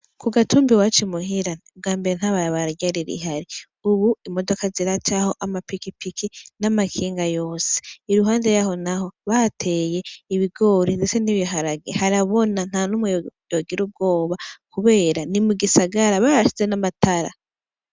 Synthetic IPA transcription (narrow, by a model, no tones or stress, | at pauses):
kuɡatuːmbiwat͡ʃimuɦiɾaub̚ɡaːmbe̞ɾen̥haβaɾaβaɾaɟaɾiɾḭɦaɾi | uβuimo̞do̞kaziɾat͡ʃaho̞ʔamapikipikʰinamakʰiːŋɡajo̞ːse̥iɾuɦaːnde̞jaɦo̞naɦo̞βatʰe̞ːje̞iβiɡo̞ːɾizeseniβjoɦaɾaɡehaɾaβo̞nan̥hanumujojoɡiɾub̚ɡo̞ːβakuβe̞ːɾanimuɡisaɡaɾaβaɾaʃi̥t͡se̞namatʰaɾa̰